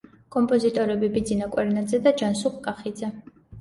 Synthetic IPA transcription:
kʼɔmpʼɔzit̪ʼɔɾɛbibid̪zinakʼwɛɾnad̪zɛd̪ad͡ʒansuχkʼaχid̪zɛ

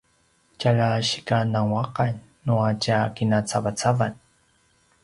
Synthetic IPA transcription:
caɭaɕi̥kanaŋwaqanː | uacakinat͡savat͡savan

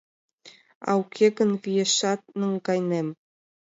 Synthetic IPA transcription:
ɑ̰wkʰeɡə̆nvijeʃɑt̪̚nə̆ŋɡɑjnem

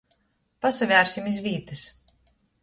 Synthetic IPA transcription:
pasavʲæːɾsimizvʲiːt̪ɨs

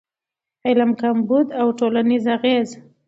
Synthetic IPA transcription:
elamkambud̪awʈolanizaɣez

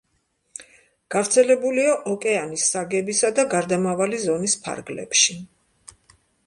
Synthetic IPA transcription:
ɡ̥avɾt̪sʰɛlɛbuliaʔɔkʼɛanisːaɡɛbisad̪aɡaɾd̪amavalizɔnispʰa̰ɾɡlɛ̰pʃi

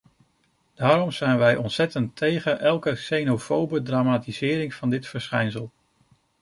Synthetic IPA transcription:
d̥aːɾɔmz̥ɛjnʋɛjʔɔnsɛtəntʰejχəʔɛlˠkəsejnofowbədraːmaːtizɪːɾɪŋv̥ɑndɪtfəɹsχɛjnsəlˠ

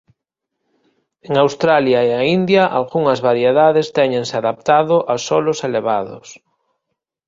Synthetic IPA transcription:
eŋawst̪ɾaljaeaind̪jaʔalɣuŋɐzβaɾjeðaðest̪ɛɲẽŋseaðap̚t̪aðʊʔasɔloseleβ̞aðʊ̰s

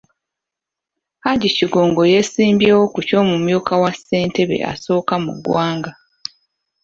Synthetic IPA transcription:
haɟiciɡo̞ːŋɡo̞je̞siːmbjeːwokuco̞ːmumjuːkawase̞ːnte̞βḛʔa̰so̞ːkamṵɡwaːŋɡa

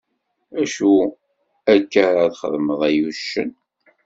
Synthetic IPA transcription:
æʃu | ækːəɾaðχə̰ðməðˤæjuʃːə̰n

